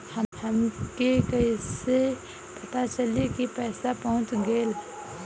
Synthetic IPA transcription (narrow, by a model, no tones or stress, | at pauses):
həhəmkekəise | pət̪at͡ʃəlikipɛːsapɔɦʊ̃t͡ʃɡəl